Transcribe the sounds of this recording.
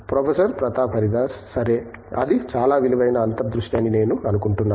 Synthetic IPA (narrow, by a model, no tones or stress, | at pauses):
pɾopʰɐsɐɾpɾɐt̪aːpʰɐɾid̪aːssɐɾeːɐ̰d̪it͡ʃaːlaːʋiliʋɐjnɐːnt̪ɐd̪ɾuʂʈjaːnːine̞ːnuɐnukuɳʈunːaː